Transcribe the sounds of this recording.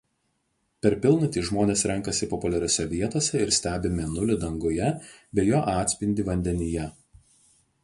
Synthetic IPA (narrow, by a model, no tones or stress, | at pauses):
pʲɛɾpʲɪlˠnʊt̪ʲiːʒmoːnʲeːsɾʲɛŋˑkɐsʲɪpɔpʊlʲɛɾʲoːsʲɛʋʲiɛt̪oːsʲɛɪɾsʲt̪ʲæːbʲɪmʲɛnʊlʲɪd̪ɐŋɡʊjɛbʲɛjoːʔɑːt̪ʲsʲpʲɪnʲd̪ʲɪʋɐnʲd̪ʲɛnʲɪjɛ